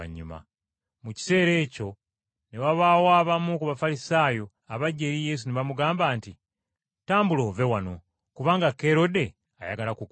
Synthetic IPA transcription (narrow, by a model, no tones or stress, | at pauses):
a̰ɲːuma̰ | muci̥se̞ːɾe̞ːco̞ | ne̞waβaːwaːβamukuβafalisaːjo̞ | aβaɟːe̞ɾije̞s̬uneβamuɡaːmbaːnti | taːmbulo̞ːve̞wano̞̰ | kuβaːŋɡake̞ɾo̞de̞ | a̰ja̰ɡalakuk